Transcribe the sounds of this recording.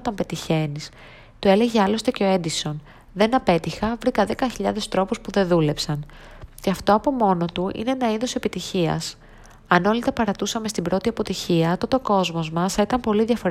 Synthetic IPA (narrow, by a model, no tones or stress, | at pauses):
t̪ompe̞t̪içe̞nis | t̪ue̞le̞ʝeɐlo̞st̪eceo̞e̞nd̪iso̞n | ðe̞nɐpe̞t̪ixɐvɾikɐðe̞kɐçiʎɐðe̞st̪ɾo̞puspuðe̞ðule̞psɐn | ceɐft̪o̞ɐpo̞mo̞no̞t̪uʔḭnenɐiðose̞pit̪içiɐ̰s | ɐno̞lit̪ɐpɐɾɐt̪usɐmest̪imbɾo̞t̪iɐpo̞t̪içiɐːt̪o̞t̪o̞ko̞zmo̞zmɐsθit̪ɐmpo̞liðʝɐfo̞ɾ